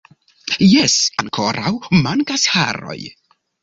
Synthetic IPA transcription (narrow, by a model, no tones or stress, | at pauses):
jɛsankʰɔɾawmanɡasha̰ɾɔ̰ɨ